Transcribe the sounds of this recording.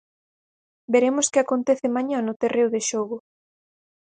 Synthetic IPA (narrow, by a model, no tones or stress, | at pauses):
beɾemʊskɪakont̪eθɪmaɲanʊt̪erewðeʃoɣʊ